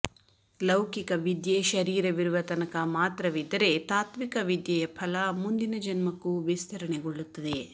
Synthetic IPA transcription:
lɐwkikɐʋid̪jeʃɐɾiːɾɐʋiɾuʋɐt̪ɐnɐkɐmaːt̪ɾɐʋid̪ːɐɾe̞t̪aːt̪mikɐʋid̪jɐjɐpʰɐlɐmund̪inɐd͡ʒɐnmɐkːuʋist̪ʰɐɾɐɳeɡoɭːut̪ːɐd̪e

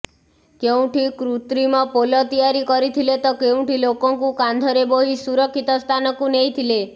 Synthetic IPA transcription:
keũʈʰikɾut̪ɾimɔ̃polɔt̪ijaɾikɔɾit̪ʰilet̪ɔkeũʈilokɔ̃ŋkukand̪ʱɔɾeboɦisuɾɔkʰːit̪ɔst̪ʰanɔkũneĩt̪ʰile

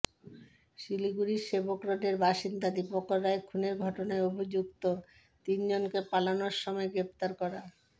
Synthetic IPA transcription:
ʃiliɡuɾiʃebokɾoɖeɾbaʃind̪ad̪ipokoɾːaekʰuneɾɡʱɔʈonaeobʱid͡ʑuk̚t̪o | t̪ind͡ʑonkepalanoɾʃɔmɔeɡɾep̚t̪aɾkɔɾa

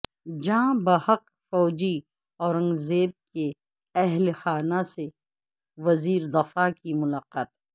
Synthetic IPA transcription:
d͡ʒãːbɐhɐq | fɔːd͡ʒi | ɔːɾɐ̃ŋɡzeːb̚ke | ɛɦlxaːnase | ʋɐziːɾd̪ɐfakimʊlaːqaːt̪

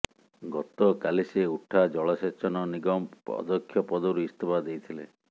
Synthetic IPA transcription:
ɡɔt̪ɔkaliseuʈʰad͡ʒɔɭɔset͡ʃɔnɔniɡɔmɔ̰d̪ɔkʰːjɔpɔd̪ɔɾuist̪ʰobad̪ejt̪ʰile

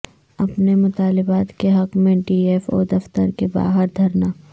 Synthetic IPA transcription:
ɐpnemʊt̪aːlɪbaːt̪keɦɐqmẽɖiːeːfɔ̰ːd̪ɐft̪əɾkeba̰ːɦəɾd̪ʱɐɾnaː

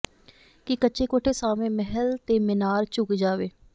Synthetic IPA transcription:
kɪkətːʃeːkoːʈʰeːsaːmẽːmɛɦəlt̪eːmɪnaːɾt͡ʃʊkd͡ʒaːʋeː

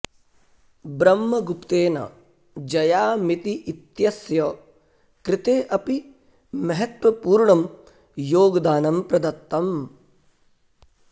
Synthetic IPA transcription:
bɾɐmːɐɡupt̪eːnɐ̰ | d͡ʒɐjaːmit̪iʔit̪jɐsjɐ | kɾɪt̪eːʔɐpi | mɐɦɐt̪wɐpuːɾɳɐm | joːɡd̪aːnɐmpɾɐd̪ɐt̪ːɐm

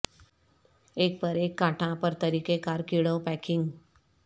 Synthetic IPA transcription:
ek̚pəɾekːãʈʰãpəɾt̪əɾiːkekaɾkiɭəwpækʰiŋɡ

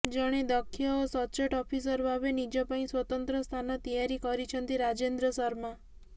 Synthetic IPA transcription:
d͡ʒɔɽ̃ed̪ɔkʰːijɔːsɔt͡ʃeʈɔpʰis̬ɔɾbʱaʋenid͡ʒɔpaĩswɔt̪ɔnt̪ɾɔst̪ʰanɔt̪ijaɾikɔɾit͡ʃʰɔnt̪iɾad͡ʒend̪ɾɔsɔɾma

